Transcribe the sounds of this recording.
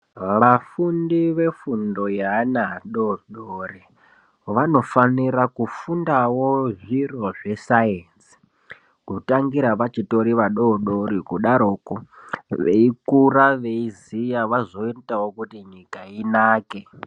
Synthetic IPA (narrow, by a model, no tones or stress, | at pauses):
ʋafundiʋe̞fundojanaɗoɗori | ʋano̞faniɾakufundawoʐiroʐesajensi̥ | kutaŋɡiɾaʋat͡ʃitoɾiʋaɗoɗoɾikuɗaɾoːkoʋḛikuraʋe̞izijaʋazo̞itawokutiɲikainaːke